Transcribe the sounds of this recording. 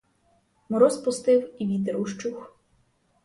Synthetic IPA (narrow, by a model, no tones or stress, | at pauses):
mɔɾɔspʊst̪ɪwiʋʲid̪eɾuʃt͡ʃux